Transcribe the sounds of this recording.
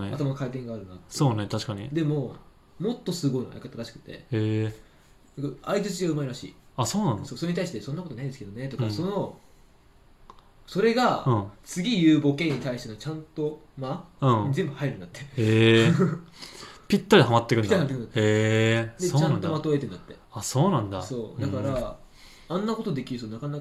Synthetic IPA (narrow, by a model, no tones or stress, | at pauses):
neat̪amanokait̪ẽ̞ŋɡaːɾɯ̟nat̪ːso̞ːnet̪aɕi̥kaɲ̟ḭd̪e̞mo̞ | mo̞t̪ːo̞sɨɡo̞in̰a̰ikat̪ːaɾaɕi̥kɯ̟̥t̪ːḛe | nakaait͡sɨt͡ɕiɡaɯ̟maeɾaɕḭːasoːnãnso̞ːso̞ɾe̞ɲit̪aiɕi̥t̪esonːako̞t̪onaĩd̪esɨ̥ked̪o̞ne̞t̪o̞kaso̞no̞ | so̞ɾe̞ɡaɯ̃t͡sɨɡʲijɯːbo̞kẽ̞ɲ̟ːit̪aiɕi̥t̪enot͡ɕãnt̪o̞ | maɯ̃ɲ̟izẽ̞mbɯ̟haiɾɯ̟nd̪at̪ːe̞e | pʲit̪ːaɾʲiɦamat̪ːekɯ̟nid̪ːɾihamat̪ːekɯnd̪at̪ːed̪et͡ɕãnomat̪oet̪end̪at̪ːe̞aso̞ːnãnd̪a̰so̞ːd̪akaɾa | ãnːako̞t̪o̞d̪e̞kʲiɾɯ̟sonakanak